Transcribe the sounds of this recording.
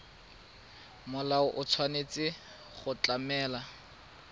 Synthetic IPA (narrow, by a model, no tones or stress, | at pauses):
mʊlaʊʔʊt͡sʰwanet͡sɪ | χʊt͡ɬamɛːla